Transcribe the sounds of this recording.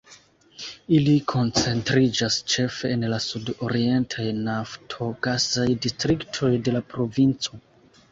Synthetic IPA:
ilikʰo̞nt͡se̞ntɾid͡ʒast͡ʃe̞fe̞ːnlasudo̞ɾie̞ntʰajnaftʰo̞ɡazajdistɾiktʰo̞jde̞lapɾo̞vint͡so̞

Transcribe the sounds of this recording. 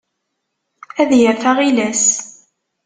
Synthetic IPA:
æðjəɾθaʁilæs

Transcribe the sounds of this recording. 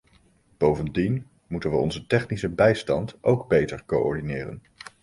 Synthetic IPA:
b̥owvəndin | mutənʋəɔ̰nzətɛχnisəbɛjstɑntowɡbejtəɹkoʔɔɹdinɪːrə̰n

